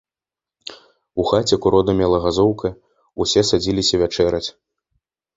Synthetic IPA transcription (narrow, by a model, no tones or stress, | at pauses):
uxat͡sʲɛkuɾɔd̪ɐmʲɛlˠɐɣazɔwkʰɐ | usʲɛsad͡zʲilʲisʲɐvʲat͡ʂɛɾɐt͡sʲ